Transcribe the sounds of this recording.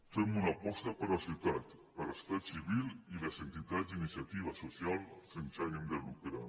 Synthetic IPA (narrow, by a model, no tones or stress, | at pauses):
t̪emunapɔst̪apəɾasiwt̪at̪ | pəɾəst̪at̪siβililəzent̪it̪azinisjat̪iβasosjalsensajənd̪əlukɾa̰